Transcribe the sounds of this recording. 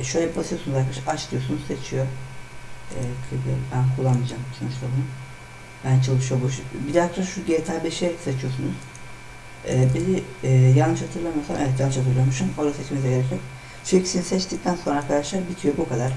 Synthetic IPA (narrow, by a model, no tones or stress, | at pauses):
ʃøjlʲɛbasɯjosunuzaɾkʰaʃʰat͡ʃlˠɯjo̞sunuzset͡ʃʰijo | ɛːkʰɯbɛbænkʰulˠːanmɯd͡ʒamso̞nut͡ʃlˠabunu | bænt͡ʃʰɯlˠɯʃɯjoboʃbid̪at͡ʃʰaʃuɟejt̪ʰalbeʃesat͡ʃʰijo̞sunuz̥ | ɛːbiziɛːjalnːɯʃhat̪ʰɯɾlˠamasamʔevɛt̪jalnːɯʃhat̪ʰɯɾlˠamʃumolˠasɛt͡ʃmeziɟeɾecʰɛ | t͡ʃʰycʰy̥sinisɛt͡ʃt̪ic̚t̪ʰænso̞nɾaɾkʰad̪aʃlˠaɾbit̪ʰijo̞bukʰad̪aɾ̥